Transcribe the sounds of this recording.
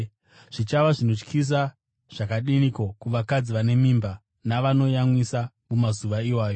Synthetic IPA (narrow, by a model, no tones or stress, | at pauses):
ʐ̥it͡ʃaʋaʐino̞t͡ʃkʰis̬a | ʐ̥akaɗinikokuʋakad͡ziʋane̞miːmba | naʋano̞jamwisa | mumazuʋaiwaːjo̞